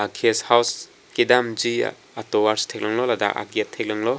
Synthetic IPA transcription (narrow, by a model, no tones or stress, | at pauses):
akʰeshaws | kidamd͡ʒḭ | atɔwaɾstʰek̚lɔŋlɔlada̰ka̰ɡetʰːek̚lɐŋlɔ